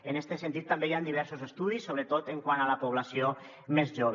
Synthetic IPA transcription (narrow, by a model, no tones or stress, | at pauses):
ənɛst̪esent̪it̪ːambejand̪iβ̞ɛɾsuzest̪uð̞isːoβɾət̪ot̪əŋkwanalapuβ̞lasio | mezʒoβ